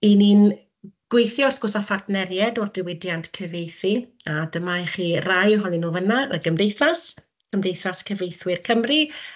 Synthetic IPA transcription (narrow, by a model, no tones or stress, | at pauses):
inin | ɡ̥wejθjɔɔrθɡ̥ʊsafartnɛrjɛdɔrdɪwɪdjantkʰəvejθi | adəmaɛχiːrajɦɔnˠɪnuːvənaə̰ɡəmdejθas | kʰəmdejθaskʰəvejθwɪrkʰəmri